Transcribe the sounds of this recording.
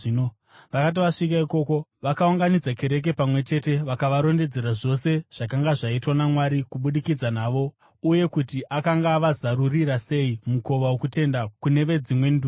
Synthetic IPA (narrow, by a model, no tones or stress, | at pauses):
no | ʋakat̬iʋaʂikaiko̞ːko̞ʋakauŋɡanid͡zake̞ɾe̞k̬e̞pamwe̞t͡ʃe̞te̞ʋakaʋaɾo̞nde̞d͡ze̞ɾaʐo̞se̞ʐ̥akaŋɡaʐaitwanamwaɾikuɓuɗikid͡zanaːʋo̞ | uje̞kutiʔakaŋɡaːʋazaɾuriɾase̞imuko̞ʋawokute̞ndakune̞ʋe̞d͡zimwe̞ndu